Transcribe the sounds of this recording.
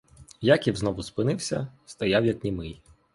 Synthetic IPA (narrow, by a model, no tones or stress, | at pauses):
jakʲiwznɔʋʊspɪnɪwsʲɐ̰st̪ɐjawjɐknʲimɪj